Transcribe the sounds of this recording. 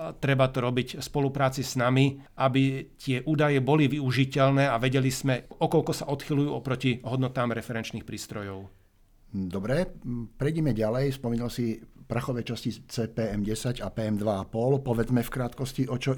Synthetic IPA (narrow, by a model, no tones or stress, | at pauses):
t̪ɾɛbat̪ɔɾɔbicspɔlupɾaːt͡siznamiʔabit̪ɪɛʔuːd̪ajɛbɔliʋiuʒicɛlnɛːaʋɛɟɛliz̥mɛɔkɔʎkɔsaʔɔt̪xilujuːɔpɾɔciɦɔd̪nɔt̪aːmɾɛfɛɾɛnt͡ʃniːxpɾiːst̪ɾɔjɔʊ | d̪ɔbɾɛpɾɛjɟɛmɛɟalɛjfspɔmiɲalsipɾaxɔʋɛt͡ʃascit͡sɛːpɛːɛmɟɛsaɟapɛːɛmd̪ʋaapɔlpɔʋɛd͡zmɛfkɾaːt̪kɔsciʔɔt͡ʃɔ